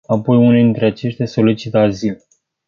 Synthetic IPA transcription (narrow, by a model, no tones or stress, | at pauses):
apo̞june̞d̪int̪ɾe̞at͡ʃe̞ʃt̪ʲaso̞lit͡ʃit̪eazil